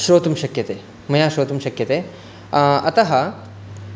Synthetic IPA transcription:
ʃɾoːt̪umʃɐkjɐt̪eː | mɐjaːʃɾoːt̪umʃɐkjɐt̪eː | ɐt̪ɐɦɐ

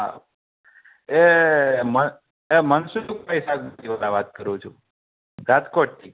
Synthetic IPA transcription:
a̰ | emə | emənsuluk̚paisaɡmt̪iʋalãʋat̪kəɾot͡ʃʰu | ɾat̪koʈ̚t̪ʰiː

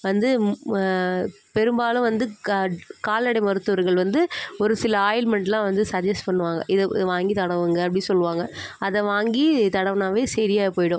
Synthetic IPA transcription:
ʋɐnd̪ɯ | pɛɾɯmbaːlʊ̃ʋɐnd̪ɯ | kaːlnɐɽɐɪmɐɾɯt̪ːɯʋɐɾɣɐɭʋɐnd̪ɯɔɾɯsɪlɐaːjɪlmɐɳʈlãːʋɐnd̪ɯsɐd͡ʒɐsʈpɐɳːɯʋaːŋɡɐʔɪðɛʋaːŋɡit̪ɐɽɐʋaŋɡɐːpːɐɽɪnsɔlːɯʋaːŋɡɐɐðɛʋaːŋɡit̪ɐɽɐʋɐnaːʋeːsɛɾɪjaːɐpoːjɪɽɯ̃

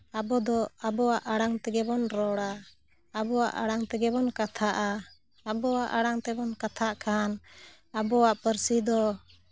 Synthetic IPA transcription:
abɔd̪ɔabɔwaʔaɽaŋt̪ɛɡɛbɔnɾɔɽaː | bɔwa̰ʔa̰ɽaŋt̪ɛɡɛbɔnkat̪ʰaʔa | abɔwaʔaɽaŋt̪ɛbɔnkat̪ʰaʔkʰaɦan | abɔwaʔpəɾsid̪ɔ

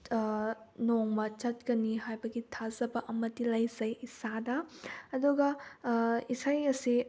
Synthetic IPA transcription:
noŋmɐt͡ʃɐt̚ɡɐniɦajbɐɡitʰazɐbɐʔɐmɐtilɐjzɐjisadɐːduɡɐ | isajɐsi

